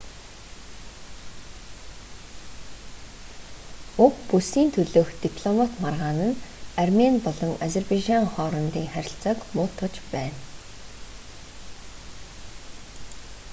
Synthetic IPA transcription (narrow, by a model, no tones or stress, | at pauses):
ʊkpusiːnt̪ʰɵɮoːxt̪ipʰɮɔmat̪marʁaːnə̆narmenpɔɮɞ̆ŋazerpajʒaŋχɔːɾɞ̆nt̪iːŋχæɾʲɪ̆ɬt͡sɔːkmʊːt̪ʰɔ̆t͡ɕpæːn